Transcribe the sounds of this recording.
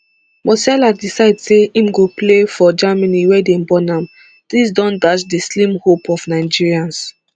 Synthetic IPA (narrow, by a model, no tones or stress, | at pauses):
mɔsɛladisaɪdseimɡoplefɔd͡ʒamaniwɛdembɔnãm | d̥is̬dɔ̃ndat͡ʃdislĩmhopɔfnaɪd͡ʒiɹiãns